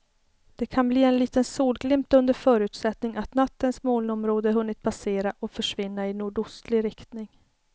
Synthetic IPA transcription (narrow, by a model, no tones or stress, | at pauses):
d̪̥ɛkʰanbliːɛnliːt̪ənsuːlɡlɪmpt̪ɵnd̪əɾfœːɾʉ̟ːt̪sɛt̪nɪŋat̪nat̪ːənsmoːlɔmɾoːd̪əɦɵnːɪt̪̚pʰaseːɾaʔɔfœʂvɪnːaɪnuːɖʊst̪lɪɾɪkt̪nɪŋ